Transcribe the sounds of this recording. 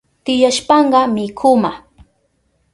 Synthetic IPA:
t̪ɪjaʃpɑɴɢɑmɪkʰʊma

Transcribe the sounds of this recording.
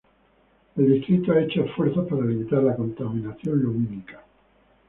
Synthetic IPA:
eld̪ist̪ɾit̪oaet͡ʃoesfweɾθaspaɾalimit̪aɾlako̞nt̪amĩnaθjõ̞nluminikḁ

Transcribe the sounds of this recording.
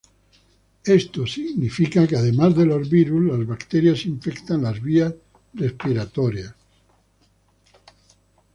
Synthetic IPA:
est̪osiɣnifikakeaðemazðelozβiɾuzlazβakt̪eɾjasiɱfekt̪anlazβias | respiɾat̪oɾjas

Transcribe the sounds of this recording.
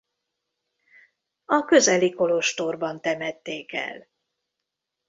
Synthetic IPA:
ɒkøzɛliko̞loʃt̪orbɒnt̪ɛmɛt̪ːeːkɛ̰l

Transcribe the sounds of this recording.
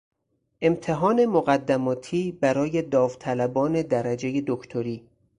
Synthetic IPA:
ʔe̞mt̪ʰe̞ɦɒːne̞moɣæd̪ːæmɒːt̪ʰiːbæɾɒːje̞d̪ɒːvt̪ʰælæbɒːne̞d̪æɾæd͡ʒe̞je̞d̪okʰt̪ʰoɾiː

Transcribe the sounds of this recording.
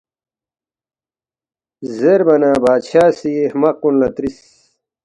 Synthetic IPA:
zeɾbɐnaːbaːd̪ɕaːsihmɐqunlɐt̪ɾis

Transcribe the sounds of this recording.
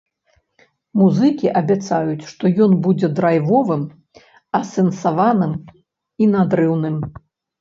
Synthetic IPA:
muzɨkʲiʔɐbʲat̪sajut͡sʲʂt̪ɔjɔnbud͡zʲɛd̪ɾajvɔvɨm | ɐsʲɛnsavanɨm | inad̪ɾɨwnɨm

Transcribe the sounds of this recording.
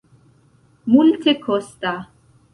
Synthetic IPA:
mult̪ʰekʰɔst̪a

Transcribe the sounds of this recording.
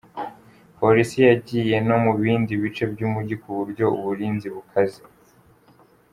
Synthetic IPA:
po̞ɾisijaɟije̞no̞muβiːndiβit͡ʃe̞bɟuːmuɟikuβuɾɟo̞uβuɾiːnziβukʰazi

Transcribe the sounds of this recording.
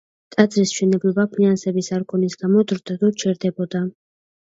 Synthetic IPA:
t̪ʼad̪zɾisʃɛnɛblˠɔbapʰinansɛbisaɾkʰʼɔnisɡ̥amɔd̪ɾd̪ad̪ɔt͡ʃʰɛɾd̪ɛbɔd̪a

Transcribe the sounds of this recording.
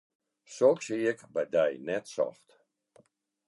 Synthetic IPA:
soksijəkbajd̪ajnɛtsɔ̰ft

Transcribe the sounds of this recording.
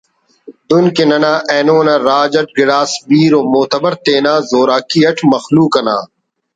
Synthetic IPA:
d̪ʊnkenɐnãːʔɛːnoːnaːɾaːd͡ʑɐʈ̚ɡɪɽaːsbiːɾoːmoːt̪ɐbɐɾt̪eːnaːzoːɾaːkiːɐʈʰmɐxluːkɐna̰ː

